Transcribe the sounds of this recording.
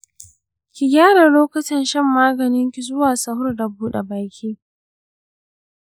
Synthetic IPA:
kʲi˨ɡʲaː˦ɽa˨loː˦kɐ˦tɪ˨nʃɛ˦˨mːaː˦ɡɐ˨nɪ˦ŋkʲi˨zʊ˦waː˨sɐ˦hʊ˦rda˨buː˦ɗḛ˨baː˨kʲʰiː˦

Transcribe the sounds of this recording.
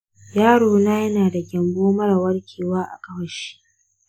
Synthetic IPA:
jaː˦ɽoː˨naː˦jɐ˦naː˨da˨ɡʲɐ˨mboː˦mɐ˦ɽa˨wɐ˦ɽkʲʰeː˨waː˦ʔa̰˨kʼɐ˦wɐ˦ʃi̥˦ʔ

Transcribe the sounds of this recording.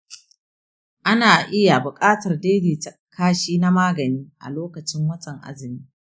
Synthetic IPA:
ʔa˦naː˨ʔɪ˦ja˨bʊ˨kʼaː˦tɐ˨rdeː˦diː˨tɐ˨ | kaː˦ʃiː˦na˦maː˦ɡɐ˨niː˦ʔa̰˨loː˦kɐ˨t͡ʃɪ˦ŋwɐ˦t͡ʃʼɐ˨ŋʔa̰˦zɪ˨niː˦

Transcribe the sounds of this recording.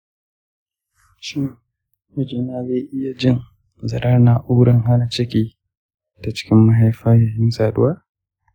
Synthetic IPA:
ʃɪ˦ŋ | mɪ˦d͡ʒiː˨naː˦zeː˦˨ʔɪ˦ja˨d͡ʒɪ˦n | zɐ˨ɾɐ˦na˨ʔuː˦ɽɐ˦ŋɦa˦na˨t͡ʃɪ˦kʲiː˦ | ta˨t͡ʃɪ̥˦kʲɪ˦mːa˦ɦa˦jɸaː˦jaː˨hɪ˦msaː˨dʊ˦waː˦

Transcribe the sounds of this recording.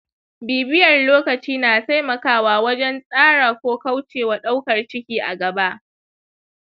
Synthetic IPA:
biː˨bɪ˦jɐ˨rloː˦kɐ˨t͡ʃiː˦naː˨ta˦jmɐ˨kaː˨waː˦wɐ˦d͡ʒɛ˦nsʼaː˦ɽaː˨kʷoː˦ka˦wt͡ʃeː˨wa˨ɗa˦wkɐ˨rt͡ʃɪ˦kʲiː˦ʔa̰˨ɡɐ˨ba˦ʔ

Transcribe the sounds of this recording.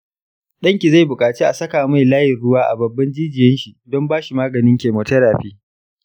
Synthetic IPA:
ɗɐ˦ŋkʲi˨za˦˨jbʊ˨kʼaː˨t͡ʃiː˦ʔa˨sɐ˦kaː˨ma˦jlaː˦jɪ˨rɽʊ˦waː˦ʔa̰˨bɐ˨bːɐ˦nd͡ʒiː˦d͡ʒɪ˨jɛ˦nʃi˨dɔ˦mbaː˦ʃi˨maː˦ɡɐ˨nɪ˦ŋkʲeː˨moː˨tɐ˦ɽaː˨ɸiː˦

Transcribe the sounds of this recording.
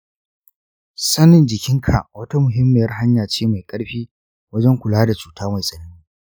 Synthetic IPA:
sɐ˦nɪ˨nd͡ʒɪ˨kʲɪ˦ŋkʰa̰˨ʔwɐ˦ta˦mʊ˨ɦɪ˦mːɪ˨jɐ˦rɦa˦ɲjaː˨t͡ʃeː˦ma˨jkʼɐ˦ɽɸiː˦ | wɐ˦d͡ʒɐ˦ŋkʷʊ˨laː˦da˨t͡ʃuː˨taː˦ma˨jsʼɐ˨nɐ˦ni˦

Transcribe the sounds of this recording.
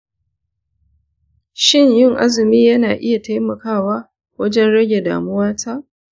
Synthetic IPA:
ʃɪ˦ɲjɪ˦˨ŋʔa̰˦zɪ˨miː˦jɐ˦naː˨ʔɪ˦ja˨ta˦jmɐ˨kaː˦˨waː˦ | wɐ˦d͡ʒɛ˦nɽɐ˦ɡʲe˨da̰ː˨mʊ˦waː˦tʰa˦ʔ

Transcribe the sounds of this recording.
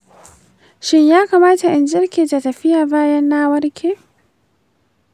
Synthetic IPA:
ʃɪ˦ɲjaː˦kaː˨maː˦ta˨ʔɪ˨nd͡ʒɪ˦rkʲʰeː˨ta˨tɐ˨ɸɪ˦jaː˨baː˦jɐ˦nːaː˦wɐ˦rkʲʰeː˨

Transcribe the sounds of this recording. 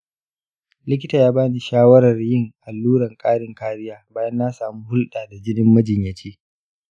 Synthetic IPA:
lɪ˦kʲɪ˦taː˨jaː˦baː˦ni˨ʃaː˦wɐ˦ɾɐ˨rjɪ˦˨ŋʔa˨lːuː˦ɾɐ˨ŋkʼaː˦ɽɪ˨ŋkaː˦ɾɪ˦jaː˦baː˦jɐ˦nːaː˦saː˨muː˦hʊ˦lɗaː˨da˨d͡ʒɪ˦nɪ˦mːɐ˦d͡ʒɪ˨ɲjɐ˨t͡ʃiː˦

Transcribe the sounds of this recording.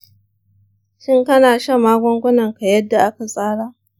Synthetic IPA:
ʃɪ˦ŋkɐ˦naː˨ʃɐ˦maː˦ɡʷɔ˦ŋɡʷʊ˦nɐ˨ŋka˨jɐ˦dːa˨ʔa˦ka˨sʼaː˦ɽaː˦ʔ

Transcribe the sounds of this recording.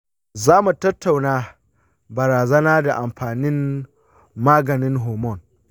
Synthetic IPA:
zaː˦mu˨tɐ˦tːa˨wnaː˦ | bɐ˨ɾaː˨zɐ˦naː˦da˨ʔa˨mɸaː˨nɪ˦nː | aː˦ɡɐ˨nɪ˦nɦoː˨mɔ˦˨n

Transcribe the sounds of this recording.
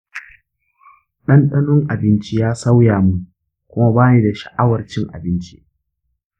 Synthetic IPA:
ɗɐ˦nɗɐ˦nʊ˦ŋʔa˨bɪ˦nt͡ʃi˦jaː˦sa˦wjaː˨mu˦ | kʷʊ˦ma˦baː˦ne˦da˨ʃɐ̥˨ʔa˦wɐ˨rt͡ʃɪ˦ŋʔa̰˨bɪ˦nt͡ʃḭ˦ʔ

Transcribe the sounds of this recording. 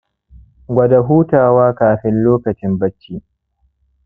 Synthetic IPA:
ɡʷɐ˨da˨ɦuː˦taː˨waː˦kaː˨ɸɪ˦nloː˦kɐ˨t͡ʃɪ˦mbɐ˦t͡ʃːiː˦

